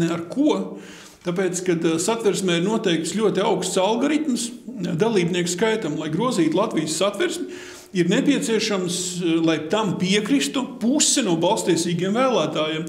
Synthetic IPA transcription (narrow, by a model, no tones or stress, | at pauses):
naɾkʰuɔ | t̪ap̬eːt̪skad̪sat̪ʋɛɾsmʲɛːiɾnuɔt̪ɛjk̚t̪slʲuɔt̪iaʊkst̪salˠɡoɾit̪msd̪alˠiːbniɛkskajt̪amlˠajɡɾuɔziːt̪lˠat̪ʋijəsːat̪ʋɛɾsmʲ | iɾnepʲiɛt̪siɛʃamslˠajt̪ampiɛkɾist̪upusɛnuɔbɑlˠst̪t̪iɛsiːɡiɛmvæːlˠæːt̪aːjem